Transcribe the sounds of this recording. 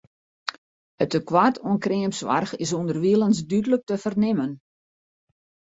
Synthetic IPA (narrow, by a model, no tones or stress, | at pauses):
ətəkwatʰuənkreəmpsʋa̰rxɪs̬undərʋiəlˠənsdydələk̚təfərnɪmən